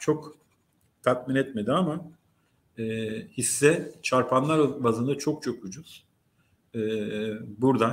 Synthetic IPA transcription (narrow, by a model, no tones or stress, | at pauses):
t͡ʃʰo̞k | t̪ʰak̪̚minɛt̪me̞d̪iama | ɛːhisːɛt͡ʃʰaɾpʰanlˠaɾbazɯnd̪at͡ʃʰo̞k̚t͡ʃʰo̞kud͡ʒuz̥ | ɛːbuɾd̪a